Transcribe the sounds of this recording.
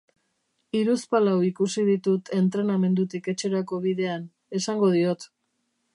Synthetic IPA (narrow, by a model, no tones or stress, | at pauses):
iɾuspalawikusiðit̪ut̪ʰe̞nt̪ɾe̞name̞nd̪ut̪ike̞t͡ʃe̞ɾako̞βiðe̞an | e̞saŋɡo̞ð̞io̞t̪